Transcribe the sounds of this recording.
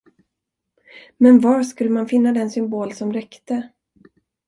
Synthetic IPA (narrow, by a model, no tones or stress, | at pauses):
mɛnvaɾʂkɵlːəmanfɪnːad̪ɛnsʏmboːlsɔmɾɛkt̪ə